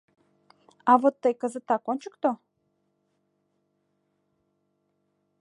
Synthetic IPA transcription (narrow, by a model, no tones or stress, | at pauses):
avot̪ːəjkəzət̪akonʲt͡ʃəkt̪o